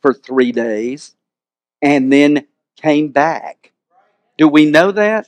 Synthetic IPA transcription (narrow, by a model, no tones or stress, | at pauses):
fə˞θɹideɪz̥ | ɨ̃nðɨ̃n | kʰẽɪ̃mbæk̚ | d̥ɨwinoʊðæt̚